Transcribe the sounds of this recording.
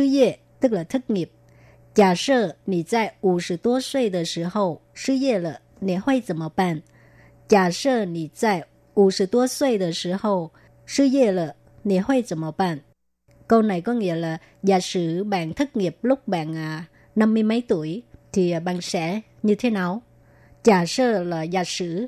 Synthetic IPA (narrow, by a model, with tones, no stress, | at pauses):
sɨ˧˦ze˧˩ | t̪ɨ˦˥k̚laː˨˩t̪ʰɨ˦˥k̚ŋi˨˩əp̚ | t͡ɕaː˨˩səː˧˩nḭ˧˨zaː˧˩jʔu˧˩sɨ̰˧˩t̪u˧˦əswe˧jd̪əː˨˩sɨ̰˧˩hə˨˩wsɨ˧˦ze˧˩lə˨˩ | nḭ˧˩hwe˧jzə˨˩mə˧˩wpaː˧˨n | t͡ɕaː˨˩səː˧nḭ˧˨t͡ɕaː˧˩j | ʔu˧˩sɨ̰˧˩t̪u˧˦əswe˧jd̪ə˨˩sɨ˧˨˦hə˨˩w | sɨ˧˦ze˧˩lə˨˩ | nḭ˧˩hwe˧jzə˨˩mə˧˩wpaː˧˨n | kə˧wna˨˩jkɔ˨˦ŋḭ˧˥əlaː˨˩ | zaː˧˩sɨ˧˥ɓa̰ː˧˨nt̪ʰɨ˦˥k̚ŋi˨˩əp̚lʊ˦˥k͡p̚ɓa̰ː˧˨nʔaː˨˩ | na˧mːɨ˧əjmə˨˦jt̪u˧˩˨əjt̪ʰi˨˩˨ɓa̰ː˧˨nsɛ̰˧˥ | ɲɨ˧t̪ʰe˨˦na˨˩w | t͡ɕaː˨˩səː˧laː˨˩zaː˨˩sɨ̰˧˥